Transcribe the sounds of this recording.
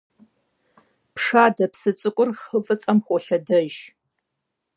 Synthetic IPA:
pʂaːdɐpsɨt͡sʼɨkʷʼʊrxəfʼɨt͡sʼɐmxʷɔɬɐdɐʒ

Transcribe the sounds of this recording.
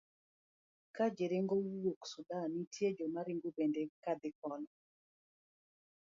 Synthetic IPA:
kad͡ʒɪɾɪŋɡowoksudanitʰjed͡ʒɔmaɾɪŋɡobendekad̪ɪkɔnɔ

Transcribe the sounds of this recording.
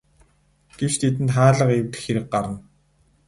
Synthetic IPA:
ɡ̥ewt͡ɕt̪ʰet̪̬ɘ̆nt̪χaːɮə̆qewt̪ɘ̆xeɾɘ̆k̚ɢaɾə̆n

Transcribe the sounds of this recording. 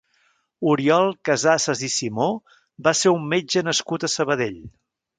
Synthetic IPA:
uɾiɔlˠkəzasəzisimo | baseɾumːed͡ʒənəskut̪əsəβəðeʎ

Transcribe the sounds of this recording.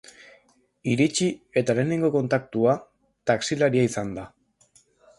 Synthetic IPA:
iɾit͡ʃie̞t̪ale̞ːne̞ŋɡo̞ko̞nt̪ak̚t̪ua | t̪aksilaɾiaisand̪a

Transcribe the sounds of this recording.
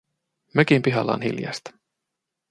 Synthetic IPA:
møkimpiɦɑlːɑ̰ːnhḭljɑ̰st̪ɑ̥

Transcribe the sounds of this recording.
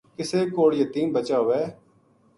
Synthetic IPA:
kɪseːkoːɽjət̪iːnbət͡ʃaːʋɛː

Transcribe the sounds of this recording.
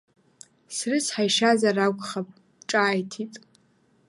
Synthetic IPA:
srɨsħajʃazaraɡʷʼχapʼ | ʈ͡ʂʼaːjtʰitʼ

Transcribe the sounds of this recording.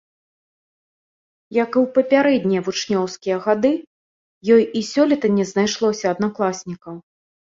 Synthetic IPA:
jɐkɨwpɐpʲaɾɛd̪ʲnʲiɐvut͡ʂnʲɔwskʲijɐɣad̪ɨ | jɔjisʲɔlʲɛt̪ɐnʲɛznajʂlˠɔsʲɐːd̪naklˠasʲnʲikɐw

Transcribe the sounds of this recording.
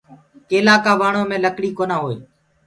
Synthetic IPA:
keːlãːkaːʋaːɳoːmẽːləkɽiːkoːnaːɦoːḛː

